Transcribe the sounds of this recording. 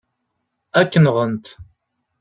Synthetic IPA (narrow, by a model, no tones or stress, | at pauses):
ækːənʁənt̪